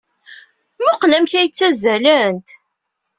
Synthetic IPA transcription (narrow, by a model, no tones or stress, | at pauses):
mʊqlæmθæjət͡sːæzælænt̪